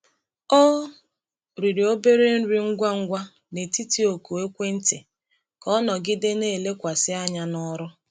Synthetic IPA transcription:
ɔ˦ | ɾi˨ɾi˨o˦be˦ɾe˦n̩˦ɾi˦ŋ̩˦ɡʷa˦ŋ̩˦ɡʷa˦ | ne˨ti˦ti˦o˨ku˨e˦kʷe˦n̩˦tɪ˨ | kɔ˦nɔ˨ɡɪ˦de˦ne˦˨le˦kʷa˨sɪ˦a˦ɲa˦nɔ˦ɾʊ˦

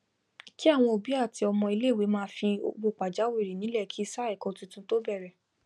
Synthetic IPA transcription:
ki˦a˦˨w̃ɔ̃˧o˨bi˨˦a˦˨ti˧ɔ˧mɔ̃˧i˧le˦˨we˨˦mãː˦fi˧o˧bo˨k͡pa˨d͡ʒa˨˦we˦˨ɾi˨nĩ˨˦lɛ˦˨kʰi˨˦i˦˧sa˦ɛ˦˨kɔ̃˧tũ˧tũ˧to˦bɛ˦˨ɾɛ˨

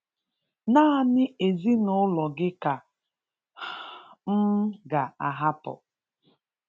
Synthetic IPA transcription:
naː˦˨nɪ˦e˨zi˦nʊ˦lɔ˨ɡɪ˦ka˨ | m̩˦ɡa˨a˨ɦa˦pɔ̰˨

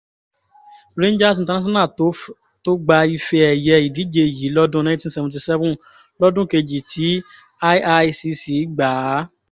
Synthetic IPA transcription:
ɾẽ˦n˦d͡ʒa˦˨s̬̩˨˧ta˧nã˦s̬ɔ̃˦nã˦˨˦ | to˦ɡ͡ba˧i˧fe˧ɛ˨jɛ˧i˨di˨˦d͡ʒe˧˨ji˨˦lɔ˦dũ˦nã˦tĩ˦sɛ˧vũ˧t̬i˧sɛ˦vũ˦ | lɔ˦dũ˦ke˧d͡ʒi˨tʰi˨˦ | a˦a˧si˧si˨˦ɡ͡ba˨˦

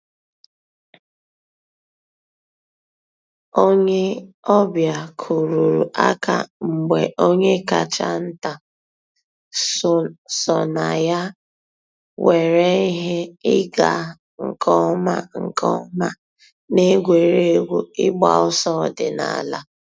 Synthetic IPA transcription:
o˦ɲe˦ | ɔ˦bja˨kʰu˨ɾu˨ɾu˨ʔa̰˦ka̰˨ŋ͡m̩˨ɡ͡be˨ʔo˦ɲe˦ka˨t͡ʃa˦n̩˦ta˨ | sɔ˨na˨ja˦ | we˨ɾe˦i˦ɦe˦ɪ˦ɡa˨ | ŋ̩˨kʰɔ˦ma˦ŋ̩˨kɔ˦ma˦ | ne˦ɡʷe˨ɾe˦ɡʷu˦ɪ˦ɡ͡ba̰˨ʊ˦sɔ˦˨dɪ˨na̰˨la̰˦

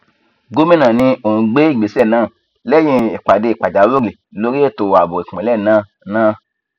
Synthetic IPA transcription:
ɡo˦mĩ˦nã˨nĩ˧o˨hũ˧ɡ͡be˦i˦˨ɡ͡be˨˦sɛ˦˨nãː˦˨ | lɛ˦jĩ˧i˨k͡pa˨de˧i˨k͡pa˨d͡ʒa˨˦lo˦ɾi˨ | lo˧ɾi˦e˦˨to˨a˨bo˨i˨k͡pĩ˨˦lɛ˦˨nãː˦˨ | nãː˦˧

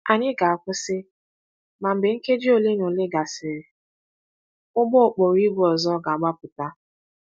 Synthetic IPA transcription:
a˨ɲɪ˦ɡa˨a˨kʷʊ˦sɪ˦ | ma˨m̩˨bɪ˨ŋ̩˦ke˦d͡ʒi˦o˨le˦nʊ˨lɪ˦ɡa˨sɪ˨ɾɪ˨ | ʊ˦ɡ͡bɔ˦˨k͡po˨ɾi˦bu˦ɔ˨zɔ˦ɡa˨a˨ɡ͡ba˦pʊ˨ta˦

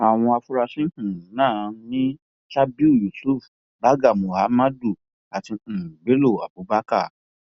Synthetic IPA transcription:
a˨w̃ɔ̃˧a˧fu˦ɾa˧sĩ˦hũ˨˦nãː˦˨˧nĩ˦ | ʃa˦bi˦u˦˨ju˨su˦˨f | ba˦ɡa˦˨mo˨ha˨˦ma˦du˦˨ | a˨tĩ˧˨be˨˦lo˦˨a˨bu˨˦ba˦ka˦˨

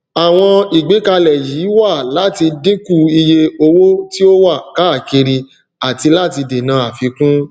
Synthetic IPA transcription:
a˨w̃ɔ̃˧i˨ɡ͡be˨˦ka˧lɛ˨ji˨˦wa˦˨la˨˦ti˧de˦ku˦˨i˧je˧o˧wo˦ti˦o˦wa˦˨ka˨˦˨ki˧ɾi˧ | a˨ti˧la˦˨ti˧de˨nã˨˧˦a˨fi˧kũ˦

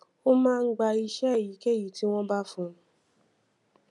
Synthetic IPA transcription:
o˦mãː˦˧ŋ̩˦ɡ͡ba˧i˧ʃɛ˦˨ji˨˦ke˦˨ji˨˦ti˦w̃ɔ̃˦ba˦fũ˦˨˧

